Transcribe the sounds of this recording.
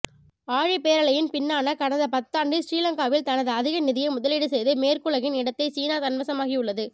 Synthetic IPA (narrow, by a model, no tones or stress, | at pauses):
aːɻipeːɾɐɭɐjɪnpɪnːaːnɐkɐnɐðɐpɐt̪ːaːɳɖɯsɾiːlɐŋɡaːʋɪlt̪ɐnɐðɯɐðɪɣɐnɪðɪjɐɪmʊðɐlɪɽɯsɛjðɯmeːrkɯɭɐɣɪnɪɽɐt̪ːɐɪsiːnaːt̪ɐnmɐsɐmaːɣɪjʊɭːɐðɯ